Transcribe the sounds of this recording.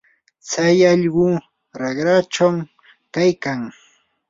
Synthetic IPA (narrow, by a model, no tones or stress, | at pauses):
t͡sajɑʎɢʊ | ɾɑɢɾat͡ʃaw | kajkaŋ